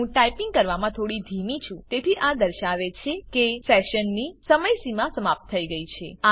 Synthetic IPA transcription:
ũʈajpĩŋɡ̚kəɾʋamãt̪ʰoɽid̪ʱimit͡ʃʰũt̪et̪ʰiʔad̪əɾʃaʋet͡ʃʰekefɛʃənːisəməjsimãsəmap̚t̪ʰːəiɡəit͡ʃʰea

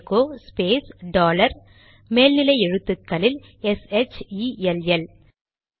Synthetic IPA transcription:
kːoːspeːsɖaːlɐɾ | meːlnɪlɐɪɛɻɯt̪ːɯkːɐlɪl | ɛsɛt͡ʃiɛlɛl

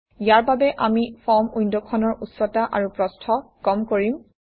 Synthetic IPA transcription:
ijaɹbabɛʔamifʰɔmujndɔkʰɔnɔɹusɔtaʔaɹupɹɔstʰɔkɔmkoɹim

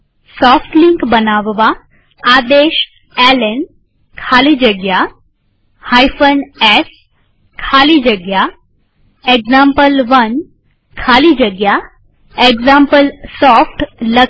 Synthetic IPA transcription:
sɔːfʈliŋkbənaːʋʋaː | d̪eʃ | ɛlen | kʰalid͡ʒəɡja | hajfʰənes | kʰaːlid͡ʒəɡja | eɡzampəlʋən | kʰaːlid͡ʒəɡja | eɡzampəlsɔfʰʈlə

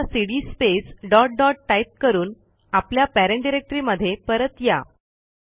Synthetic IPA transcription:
siɽispesɖɔʈ̚ɖɔʈʈaip̚kəɾuːn | apljapæɾeɳɖiɾek̚ʈɾiːməd̪ʱːjepəɾət̪ja̰

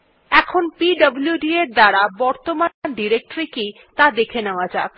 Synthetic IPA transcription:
ɛkʰonpiɖʌbljuɖieɾd̪aɾabɔɾt̪omaɖiɾek̚ʈɾiki | t̪ad̪ekʰeneoad͡ʑa̰k

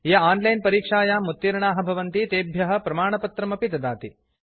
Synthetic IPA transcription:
jɐaːnlɐjnpɐɾiːkʂaːjaːmːut̪ːiɾɐɳaːɦɐ̆bʱɐʋɐnt̪it̪eːbʱjɐɦɐ̆pɾɐmaːɳɐpɐt̪ɾɐmɐpit̪ɐd̪aːt̪i

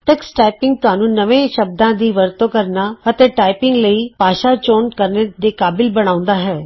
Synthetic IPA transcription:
ʈɛksʈaːɪpɪ̃ŋɡ̚t̪ʊɦaːnũːnəʋẽːʃəb̚d̪ãːd̪iːʋəɾt̪oːkəɾnaːət̪eːʈaːɪpɪ̃ŋɡləiːpaːʃaːt͡ʃoːnkəɾned̪eːkaːbɪlbəɽ̃aːʊ̃nd̪aːɦɛː

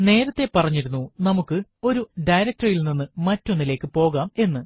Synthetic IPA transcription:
ne̞ːɾɐt̪ːe̞pɐrɐɲːiɾunːunɐmukːɨo̞ɾuɖɐjɾɐk̚tɐrilninːɨmɐtːonːile̞ːkːɨpo̞ːɣaːme̞nːɨ

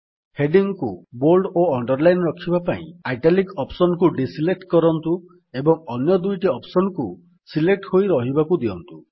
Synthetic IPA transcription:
heɖiŋkṵboɾɖoɔɳɖɔɾlajnɾɔkʰibapaḭ̃ajʈalikɔpsɔnɔkuɖisilek̚ʈkɔɾɔnt̪u | ebɔŋɔnjɔd̪ujʈiɔpsɔnɔku | silek̚ʈhojɾɔɦibakud̪iɔ̰nt̪u

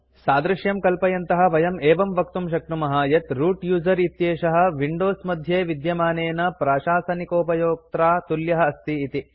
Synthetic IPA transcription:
saːd̪ɾɪʃjɐmkɐlpɐjɐnt̪ɐɦɐ̆ʋɐjɐmeːʋɐmʋɐkt̪umʃɐk̚ʈumɐɦaːjɐt̪ɾuːʈjuːzɐɾit̪jeːʃɐɦɐ̆ʋiɳɖoːsmɐd̪ʱjeːʋid̪jɐmaːneːnɐpɾaːʃaːsɐnikoːpɐjoːk̚t̪ɾaːt̪uljɐɦɐ̆ɐst̪iːt̪i

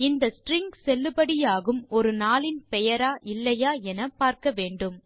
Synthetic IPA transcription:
ɪnd̪ɐsʈɾɪŋɡsɛlːɯbɐɽɪjaːɣɯmɔɾɯnaːlɪnpɛjɐɾaːʔɪlːɐjaːɛnɐpaːɾkɐʋeːɳɖɯm

